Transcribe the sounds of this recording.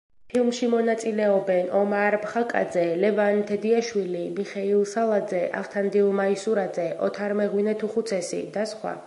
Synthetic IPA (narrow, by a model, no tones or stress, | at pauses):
pʰilˠmʃimɔnat̪sʼilɛɔbɛnɔmaɾbχakʼa̰d̪zɛlɛvant̪ʰɛd̪iaʃwilimiχɛilˠsalˠad̪zɛʔa̰ʁt̪ʰand̪ilˠmaisuɾad̪zɛʔɔt̪ʰaɾmɛʁwinɛt̪ʰuχut̪sʰɛsḭd̪asχwa̰